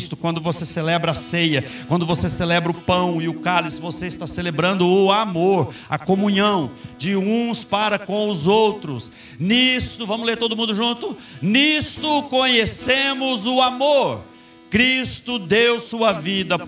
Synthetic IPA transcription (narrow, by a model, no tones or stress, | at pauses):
st̪ʊ̥kwɐ̃nd̪ʊvoseselɛbɾɐɐsejɐkwɐ̃nd̪ʊvoseselɛbɾʊpɐ̃w̃ɪʊkalisvoseɪst̪aselebɾɐ̃nd̪ʊːamoɾ | ɐkomũɲɐ̃w̃d͡ʒɪũspaɾɐkõw̃ʊzowt̪ɾʊs | nist̪ʊvɐ̃mʊzleɾt̪od̪ʊmũnd̪ʊʒũt̪ʊ | nist̪ʊkõɲesẽmʊzʊamoɾ | kɾist̪ʊd̪ewsuɐvid̪ɐ